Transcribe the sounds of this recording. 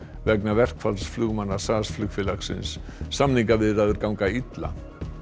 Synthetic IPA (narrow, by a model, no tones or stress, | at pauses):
vɛknavɛr̥kfalsflʏɣmanːḁsaðasflʏɣfɪlaksɪ̰nsːamniŋkavɪðraːðʏɾkawŋkait̪la̰